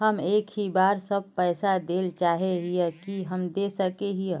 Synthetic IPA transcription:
ɦəmeːkɦibaːɾsəb̚pɛɪsad̪eːlt͡ʃaːɦeɦijəkiɦəmd̪esəkeɦij

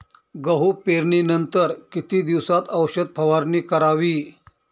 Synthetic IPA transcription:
ɡəɦupeɾɳiːnənt̪əɾkit̪iːd̪iʋsat̪əwɕəd̪̚pʰəʋaɾniːkəɾaʋiː

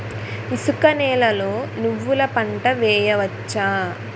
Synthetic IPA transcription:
isukɐnɛːlɐlo̞ːnuʋːulɐpɐɳʈɐʋɛːjɐʋɐt͡ʃːaː

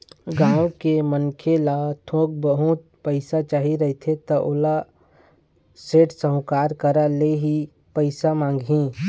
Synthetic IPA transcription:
ɡãːõkemənkʰelat̪ʰõːk̚bəɦʊt̪̚pəɪsat͡ʃaːɦiɾɐɦt̪ʰet̪ɐʔʊla | seːʈsəɦʊ̃kaːɾkəɾaleɦi | pəɪsamãːŋɡɦĩ

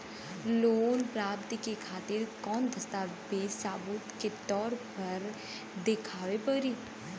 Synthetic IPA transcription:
loːnpɾaːp̚t̪ikekʰaːt̪ɪɾkɔːnd̪ʱɐst̪abesaːbʊt̪ket̪ɔːɾpɐɾ | d̪ɪkʰaːʋepəɾiː

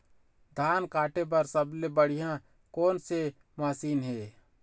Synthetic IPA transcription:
d̪ʱaːnkaːʈep̬ɐɾsəblebəɽ̤ɪjã | koːnse | maːsiːnɦeː

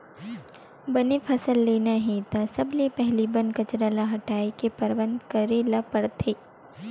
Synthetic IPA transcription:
bɐnepʰɐsəlːeːnaɦẽt̪asɐblepɛɦlibɐnkɐt͡ʃɾalaɦɐʈaːikepɐɾʋə̃nd̪kɐɾelapɐɾt̪ʰeː

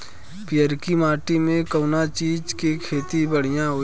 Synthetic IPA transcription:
pɪjəɾkimaːʈimẽkəːnat͡ʃiːd͡ʒkekʰeːt̪ibəɽ̤ijãɦoː

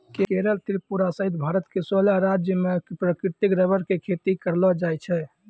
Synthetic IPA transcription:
kekeɾəlt̪ɾipuɾasəɦit̪bʱaɾət̪kesolaɾad͡ʒjəmepɾəkɾɪt̪ikɾəbəɾkekʰet̪ikəɾlɔd͡ʒajt͡ʃʰɛ

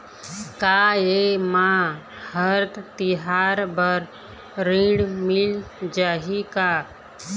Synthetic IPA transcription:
kaemã | həɾt̪t̪iɦaːɾbəɾ | ɾĩɖmɪld͡ʒaːɦika

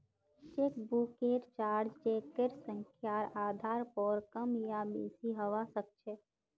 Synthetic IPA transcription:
t͡ʃeːkbuːkeːʈt͡ʃaːɾd͡ʒt͡ʃeːkeɾsə̃ŋkʰjaːɾaːd̪ʱaːɾpɔːɾkəmjabḛːsiɦəʋasək̚t͡ʃʰe

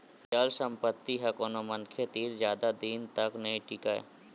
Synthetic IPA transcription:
t͡ʃəlsə̃mpət̪ːiɦɛkoːnomənkʰet̪iːɾzjaːd̪ad̪iːnt̪ɐknɐĩʈiːkaɛ̰

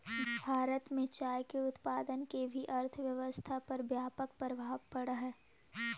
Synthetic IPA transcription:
bʱaːɾət̪mẽt͡ʃaːjkeʊt̪paːd̪ənkebʱiʔɐɾt̪ʰʋjɐʋəst̪ʰapɐɾbjaːpək̚pəɾəbʱaːʋpɐɽaɦɛː

